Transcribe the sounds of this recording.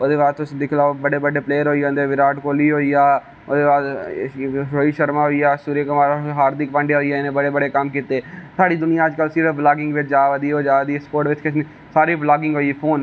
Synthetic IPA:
od̪eːʋaːd̪t̪ʊsĩːd̪ɪkʰlaːobəɖeːbəɖeːpleːəɾɦoːind̪eːʋɪɾaːʈkoːliːɦoːiːaː | od̪eːʋaːd̪ | ɾoːiːʃəɾmaːɦoiːaːsuːɾeːkəmaːɾɦaːɾd̪ɪkpə̃ɳɖeɦoːiːaːɪnẽːbəɽeːbəɽeːkəmkiːt̪eːsaːɽiːd̪ʊnɪjãːəd͡ʒkəlsiːɾəːblaːɡɪ̃ŋɡʋɪt͡ʃd͡ʒaːʋəd̪iːoːd͡ʒaːd̪iːspoːɾʈʋɪt͡ʃkɪsniː | saːɾiːblaːɡɪ̃ŋɡɦoːipʰoːn

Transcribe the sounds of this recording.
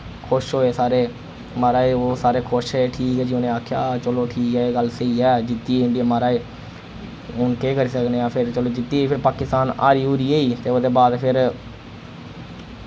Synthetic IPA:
kʰʊʃɦoːeːsaːɾeː | maːɾaːeːoːsaːɾeːkʰʊʃeʈʰiːkɛːd͡ʒiːonẽːaːkʰjaːt͡ʃəloːʈʰiːkɛːeːɡəlsəiːɛːd͡ʒɪt̪ːiːɪ̃ɳɖimaːɾaːeː | ʊnkeːkəɾiːsəkneːãːpʰɪɾt͡ʃəloːd͡ʒɪt̪ːiːpʰɪɾpaːkɪst̪aːna̰ːɾiːuːɾiːeːiːt̪eːoːd̪eːbaːd̪pʰɪɾ

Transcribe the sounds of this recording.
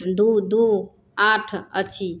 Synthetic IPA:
d̪ud̪u | aʈʰət͡ʃʰi

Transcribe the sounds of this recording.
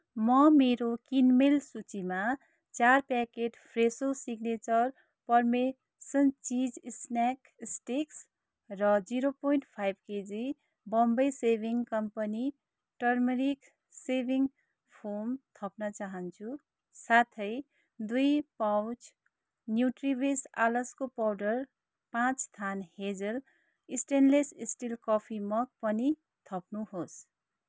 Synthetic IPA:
mʌmeɾokinmelsut͡ʃima | t͡ʃaɾpɛkeʈpʰɾesosiɡnet͡ʃʌɾ | pʌɾme | sʌnt͡ʃid͡ʒsnak | sʈiks | ɾʌd͡ʒiɾopojɳʈpʰajbked͡zi | bʌmbʌjsebʱiŋkʌmpəni | ʈʌɾmiɾik | sebʱiŋ | pʰomt̪ʰʌpnʌt͡saɦʌnt͡sʰu | sat̪ʰʌj | d̪ujpawt͡s | njuʈribesa̰lʌskopawɖʌr | pãt͡sst̪ʰanhed͡zʌl | isʈenlesisʈilkʌpʰimʌk̚pʌni | t̪ʰʌpnuhos

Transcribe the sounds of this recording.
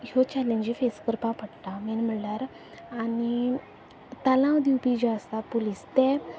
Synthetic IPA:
jot͡ɕɛlẽɲd͡ʑifeskəɾpãpəɽʈ̪ãmɛnm̤əɽlaɾ | ani | t̪alãwd̪iwpid͡ʑaəst̪apolist̪ɛ

